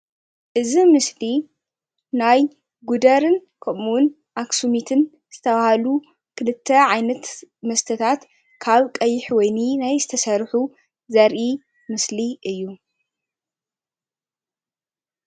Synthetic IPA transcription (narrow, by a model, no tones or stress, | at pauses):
ʔɨzimɨsli | naj | ɡud̪ɐɾɨn | kʰɐmun | ʔaksumit̪ʰɨn | z̥ɨt̪ʰɐβahalu | kʰɨlɨt̪ʰːɐʕajnɐt̪mɐst̪ʰɐt̪ʰat̪ | kʰaβkʼɐjːɪħwɔjninajzɨt̪ʰɐsɐɾħu | zɐɾʔi | mɨsliʔɨjːu